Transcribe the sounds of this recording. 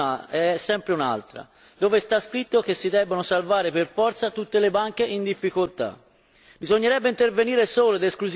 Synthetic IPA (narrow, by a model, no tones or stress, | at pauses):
aɛɛsːɛmpɾeuna̰lt̪ɾa̰ | d̪oːvest̪askɾit̪ːok̟esːid̪ɛbːonosalvaːɾeperfɔrt̪sat̪ut̪ːelebaŋk̟eʔind̪ifːikolt̪a̰ | bizoɲːeɾɛbːeint̪erveniːɾesoːlod̪eskluz